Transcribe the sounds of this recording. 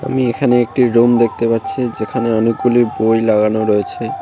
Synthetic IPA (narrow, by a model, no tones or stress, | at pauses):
a̰miekʰaneek̚ʈiɾumd̪ek̚ʰt̪epatːɕʰid͡ʑekʰaneɔnek̚ɡulibojlaɡanoɾoet͡ɕʰe